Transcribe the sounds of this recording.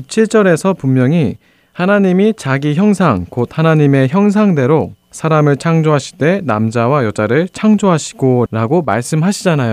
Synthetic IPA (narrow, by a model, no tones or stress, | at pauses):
ɕut͡ɕʰiɭt͡ɕ͈ʌɾe̞sʰʌpumːjʌŋi | hanaɲimit͡ɕaɡiçjʌŋsʰaŋkod̚hanaɲime̞çjʌŋs̬ʰaŋde̞ɾo | sʰaɾamɯɭt͡ɕʰaŋd͡ʑoɦaɕʰi̥t͈e̞namd͡ʑawajʌd͡ʑaɾɯɭt͡ɕʰaŋd͡ʑoɦaɕʰi̥ɡ̥oɾaɡoma̰ɭs͈ɯmɦaɕʰid͡ʑanajo